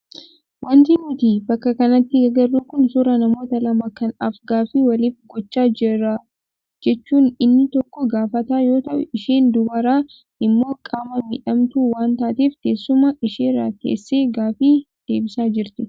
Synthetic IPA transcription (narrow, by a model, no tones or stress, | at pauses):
wʔɐnt̪ɪnɪt̪iːbɐkːɐkɐnɐt̪ːɪɡɐɡɐrːuːkʊnsʊɾɐnɐmo̞ːt̪ɐlɐmɐkɐnɐfɡaːfiːwɐlɪfɡɔt͡ʃːaːd͡ʒɪɾa | d͡ʒɛt͡ʃːuːnɪnːɪt̪ɔkːɔɡaːfɐt̪aːjo̞ːt̪ɐʔʊ̰ɪʃeːnd̪ʊbɐɾaː | ʔɪmːo̞ːkʼaːmɐmɪ̰ᶑɐmt̪uːwaːnt̪aːt̪eːfkeːsːʊmɐʔɪʃeːɾa̰ːt̪ḛːsːeːɡaːfiː | d̪̥e̞ːbɪsaːd͡ʒɪɾt̪ɪ